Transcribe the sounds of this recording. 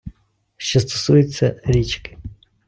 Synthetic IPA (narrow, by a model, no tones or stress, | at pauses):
ʃt͡ʃɔst̪ɔ̥sujʊt͡sʲːɐɾʲit͡ʃkɪ̥